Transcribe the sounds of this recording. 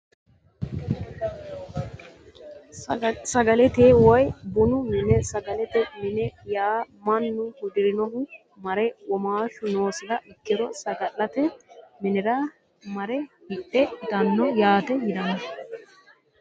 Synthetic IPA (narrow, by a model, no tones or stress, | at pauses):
sɐɡɐlɛt̪eːwɔjbʊnʊmɪnɛsɐɡɐlɛt̪ɛmɪnɛjaːmɐnːʊhʊd̪ɪɾɪnɔhʊ | mɐɾɛwɔmaːʃʊno̞ːsɪdɐʔɪkːɪd̪ɔsɐɡɐlːɐt̪ɛmɪnɛɾa | mɐɾɛhɪʔːɛd̪ɐnːɔjaːt̪ɛjɪd̪ɐnɐ